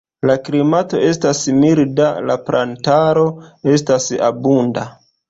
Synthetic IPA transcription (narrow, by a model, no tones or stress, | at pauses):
laklimato̞e̞stasmiɾdala̰pɾʔantaɾo̞e̞stasa̰bunda